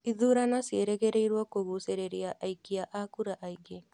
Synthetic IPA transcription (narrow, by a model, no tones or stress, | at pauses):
iðuɾanasieɾeɣeɾeiɾwakoɣuseɾeɾiaʔaikiaʔakuɾaʔaiɡe